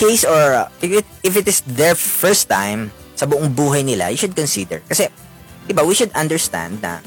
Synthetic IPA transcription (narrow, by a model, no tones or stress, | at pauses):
kejsɔɹɪɪt̪̚ɪfɪt̪ɪsðɛɹfɛɹst̪ːã̰jm | sɐbʊʔoŋbuːɦɐjnɪla̰jʊʃʊd̪̚kɔnsid̪ɛ̰ɹkɐsɛ | d̪ɪbawiʃʊd̪ɐnd̪ɛɹst̪ã̰nd̪̚nɐ̰